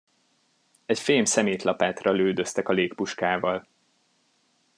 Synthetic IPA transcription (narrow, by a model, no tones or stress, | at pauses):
ɛcfeːmsɛmeːt̪lɒpaːt̪rɒløːd̪ø̞st̪ɛkɒleːkpuʃkaːvɒl